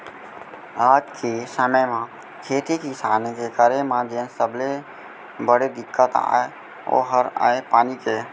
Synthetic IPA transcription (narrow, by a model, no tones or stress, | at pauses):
aːd͡ʒkʰesəməjmã | kʰeːt̪ikisaːnekekəɾemãd͡ʒensəble | bəɽed̪ɪkːət̪a̰ːe | o̰ːɦəɾa̰ːepaːnikeː